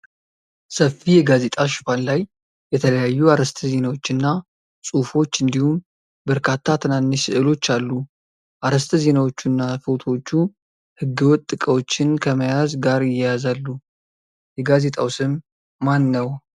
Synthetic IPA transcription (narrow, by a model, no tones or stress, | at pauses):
səfːijɛɡaze̞t̪ʼaʃɨfanlaj | jɛt̪ʰələjajːuaɾəst̪ʰəze̞nawo̞t͡ʃːɨnːa | sʼufo̞t͡ʃːɨnd̪ihum | bəɾkʰat̪ʰːat̪ʰɨnanːɨʃɨʔɨlo̞t͡ʃːalːu | ʔaɾəst̪ʰɨze̞nawo̞t͡ʃːunːafɨwt̪ʰo̞t͡ʃːu | hɨɡːɨwɔt̪ʼːɨkʼəwo̞t͡ʃːɪnkʰəməjazɡaɾɪjːɛjazalːu | jɛɡaze̞t̪ʼawsɨmː | anːəw